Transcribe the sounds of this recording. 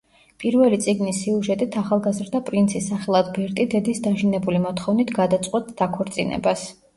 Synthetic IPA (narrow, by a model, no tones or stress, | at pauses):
pʼiɾvɛlit̪sʼiɡnisiuʒɛt̪ʼit̪ʰaχalˠɡazɾd̪apʼɾint̪sʰisːaχɛlˠad̪bɛɾt̪ʼid̪ɛd̪isd̪aʒinɛbulimɔt̪ʰχɔvnit̪ʰɡad̪at̪sʼqʼwɛt̪ʰd̪akʰɔɾt̪sʼḭnɛ̰bas